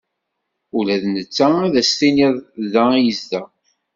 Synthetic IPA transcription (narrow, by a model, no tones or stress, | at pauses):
ulæðnət͡sːææðæstiniðˤðæjəzdæ